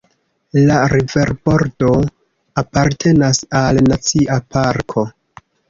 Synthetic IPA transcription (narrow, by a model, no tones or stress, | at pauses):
laɾive̞ɾbo̞ɾdo̞ | apaɾtʰe̞nasalnat͡siʔapʰaɾkʰo̞